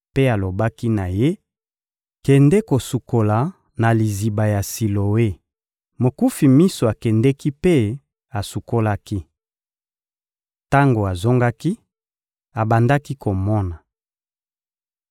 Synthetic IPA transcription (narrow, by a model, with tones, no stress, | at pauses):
pe˦a˨lo˨ba˦ki˦na˨je˦ | kɛ˨ndɛ˦ko˨su˨ko˨la˨ | na˨li˨zi˨ba˨ja˨si˨lo˨we˦ | mo˨ku˦fi˨mi˦so˨a˨kɛ˨ndɛ˦ki˦pe˦ | a˨su˨ko˦la˦ki˦ | ta˦ŋɡo˨a˨zo˦ŋɡa˦ki˦ | a˨ba˨nda˦ki˦ko˨mɔ˦na˨